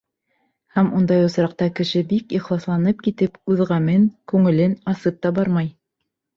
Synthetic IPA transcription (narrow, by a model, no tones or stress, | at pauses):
hæmund̪ɑjŏsɾɑq̚t̪ɑkɘ̆ʃɘbikiχlˠɑslˠɑnɤp̚kit̪ɘpʉðʁæmɘŋkʉŋɘ̆lɘnɑsɤp̚t̪ɑbɑɾmɑj